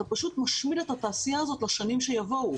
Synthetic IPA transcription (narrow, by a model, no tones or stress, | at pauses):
apaʃut̪maʃmile̞that̪aːsijaːzo̞t̪laʃanimʃe̞javo̞u